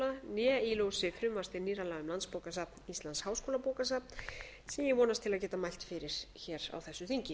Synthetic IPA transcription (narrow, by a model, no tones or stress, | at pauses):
lanɛilowsɪfɾʏmvast̪ɪɾniːɾalaɣʏmlanspowkasap̚nist̪lanshaːwskoːlapoːwkas̬ap̚n | sɛmjɛɣvɔːnast̪ʰɪlaðcɛːt̪amajl̥t̪fɪɾɪɾ̥çɛːɾa̰wθɛsːʏθiɲcɪ